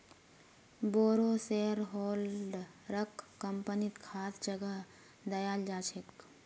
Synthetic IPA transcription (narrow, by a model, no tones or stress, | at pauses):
boːɾoːseːɾɦoːlɖɾəkʰːəmpənit̪kʰaːsd͡ʒəɡəɦ | d̪ɐjaːld͡ʒaːt͡ʃʰet̪k